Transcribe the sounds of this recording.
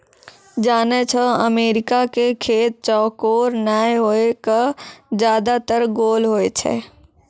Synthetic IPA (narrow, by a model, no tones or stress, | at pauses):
d͡ʒaːnet͡ʃʰəəmeːɾɪkakekʰeːt̪̚t͡ʃɔːkoːɾnaːeɦoːekad͡ʒjaːd̪at̪əɾɡoːlɦoːet͡ʃʰɛ̰ː